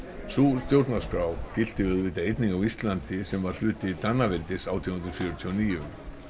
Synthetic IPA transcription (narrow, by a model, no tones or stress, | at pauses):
sust̪jowɾt̪naskɾawcɪl̥t̪ɪʏðvɪt̪aejt̪niŋkawist̪lant̪ɪsɛmvaɾ̥l̥ʏːt̪ɪt̪anːavɛlt̪ɪsawt̪ʰiuhʏnɾfjœːɾʏt̪ʰiɔniːjʏm